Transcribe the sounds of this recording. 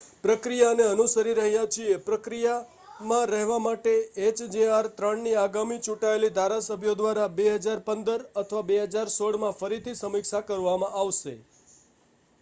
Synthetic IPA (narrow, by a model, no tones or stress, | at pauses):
pɾəkɾijaəneənusəɾiɾəɦjat͡ʃʰiepɾəkɾija | mãɾəɦʋamaʈeet͡ʃd͡ʒeaɾt̪ɾəɳniaɡamit͡ʃuʈaelid̪ʱaɾasəbʱjod̪ʋaɾabeɦəd͡ʒaɾpənd̪əɾət̪ʰəʋabeɦəd͡ʒaɾsoɽmãfəɾit̪ʰisəmikʃakəɾʋamãʔaʋʃe